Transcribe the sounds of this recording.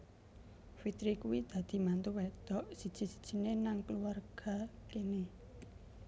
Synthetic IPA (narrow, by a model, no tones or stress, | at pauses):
fit̪ɾikuwid̪̥ä̤d̪̥i̤mant̪uwed̪̥ɔʔsid̥ʒ̥i̤si̥d̥ʒ̥i̤nenaŋkəluwarɡ̥a̤kene